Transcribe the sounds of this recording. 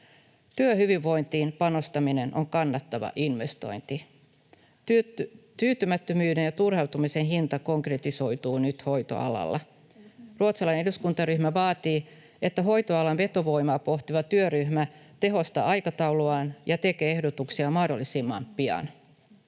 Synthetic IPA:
t̪yøɦyʋiʋːo̞jnt̪iːnpɑno̞st̪ɑmine̞nʔo̞ŋkɑnːɑt̪ːɑʋɑ̰ʔinʋe̞st̪o̞̰jnt̪i | t̪yːt̪ymæt̪ːømyːde̞njɑt̪urhewt̪umise̞nɦint̪ɑko̞ŋkret̪iso̞jt̪uːnyt̪ho̞jt̪o̞̰ɑ̰lɑ̰lːɑ̰ | ruot̪selɑjnneduskunt̪ɑryhmæʋɑːt̪iː | e̞t̪ːæɦo̞jt̪o̞ɑlɑnʋe̞t̪o̞ʋo̞jmɑːpo̞ht̪iʋɑt̪yøryhmæt̪e̞ɦo̞st̪ɑ̰ɑjkɑt̪ɑwluɑːnjɑt̪e̞kee̞hdo̞t̪uksiɑmɑhdo̞lːisimːɑ̰mpiɑ̰n

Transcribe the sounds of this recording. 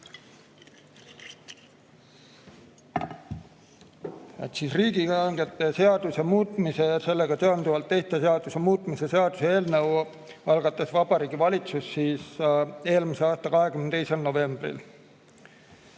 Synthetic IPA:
et̪sisriːɡ̥iɑŋɡet̪ːˑe̞se̞ɑd̪̥usemuːt̪ːˑmise̞ɑse̞lːe̞ɡ̥ɑt̪e̞ɑnd̪uvɑlt̪ːe̞ht̪ːeseɑd̪̥use̞muːt̪ˑmise̞se̞ɑd̪̥usee̞ːlnɤw | ɑlɡɑt̪ːˑɑsvɑb̥ɑɾiːɡ̥ivɑlʲit̪susːiːse̞ːlmiseɑːst̪ɑkɑɦe̞kymnt̪e̞jselno̞ve̞mb̥rḭl

